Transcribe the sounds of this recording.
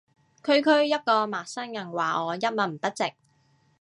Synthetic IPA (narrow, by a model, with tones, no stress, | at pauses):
kʰɵ˥ɥkʰɵ˥ɥjɐ˥t̚kɔː˧maː˨˩sɐ˥njɐ˨˩nwaː˨˩ɔː˨˧jɐ˥t̚mɐ˨˩m̩˨˩t̪ɐ˥t̚t͡sɪ˨k̚